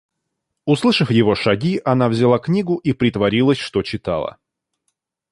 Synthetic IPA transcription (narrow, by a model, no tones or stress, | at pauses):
ʊslˠɨʂəfjɪvo̞ʂɐɡʲiʔɐnavzʲɪlˠaknʲiɡʊʔipɾʲɪt̪vɐɾʲilˠəsʲʂt̪ot͡ɕɪt̪a̰lˠə̰